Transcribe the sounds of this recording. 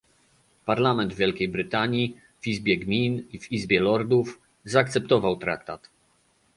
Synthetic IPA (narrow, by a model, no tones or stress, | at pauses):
paɾlamɛnd̪vʲjɛlkʲejbɾɘt̪aɲi | vizbʲjɛɡmʲinivizbʲjɛlɔɾd̪uf | zaːkt̪sɛp̚t̪ɔvawt̪ɾa̰k̚t̪at̪